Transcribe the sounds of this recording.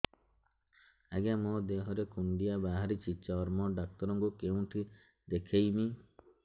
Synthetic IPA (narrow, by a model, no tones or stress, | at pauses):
aɡamɔd̪eɦɔɾekuɳɖijabaɦaɾit͡ʃiɔːɾmɔɖak̚t̪ɔɾɔŋkukeũʈʰi | d̪ekʰejmi